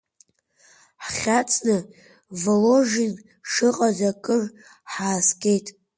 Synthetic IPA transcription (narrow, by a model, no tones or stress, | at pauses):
ħχʲat͡sʰʼnɨ | voloʐin | ʂɨqʼazakʼɨr | ħaːsɡʲʼe̞jtʼ